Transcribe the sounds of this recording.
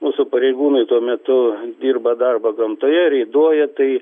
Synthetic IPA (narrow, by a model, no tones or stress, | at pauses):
muːsʊpɐɾʲɛɪɡuːnʊɪt̪uɔmʲɛt̪ʊd̪ʲiːrbɐd̪ɐrbɐɡɐmt̪oːjɛɾʲɛɪd̪uɔjɛt̪ɐɪ